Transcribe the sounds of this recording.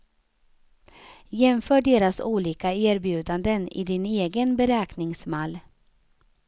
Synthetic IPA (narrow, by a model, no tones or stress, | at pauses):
jɛmfœːɖeːɾasuːliːkaeːɾbjʉ̟ːd̪and̪ənɪ̰d̪ɪneːɡənbɛɾɛːknɪŋsmalː